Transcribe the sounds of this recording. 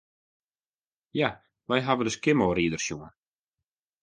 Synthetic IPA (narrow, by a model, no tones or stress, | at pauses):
ja | ʋɛjɦavədəskɪmoːɾiːdərsjuŋən